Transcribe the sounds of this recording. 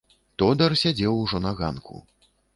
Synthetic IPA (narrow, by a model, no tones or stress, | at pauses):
t̪ɔd̪ɐrsʲad͡zʲɛwuʐɔnɐɣa̰nkʰṵ